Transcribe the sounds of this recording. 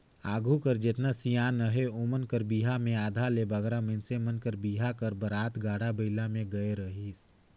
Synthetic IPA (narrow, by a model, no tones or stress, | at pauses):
aːɡʱukəɾd͡ʒet̪nasijaːnəɦeomənkəɾbiːɦamẽaːd̪ʱalebəɡɾamɪnsemənkəɾbiːɦakəɾbəɾaːt̪ɡaːɽabəɪlamẽɡəeɾəɦis